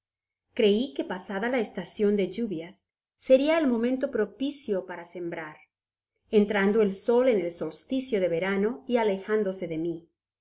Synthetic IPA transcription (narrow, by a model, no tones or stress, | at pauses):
kɾe̞ike̞pasaðalaest̪asjo̞nd̪e̞ʝuβjasː | e̞ɾiaelmo̞mẽnt̪o̞pɾo̞pisjo̞paɾase̞mbɾaɾ | e̞nt̪ɾand̪o̞e̞lso̞le̞ne̞lso̞lst̪isjo̞ðe̞βe̞ɾano̞iale̞xand̪o̞se̞ðe̞mi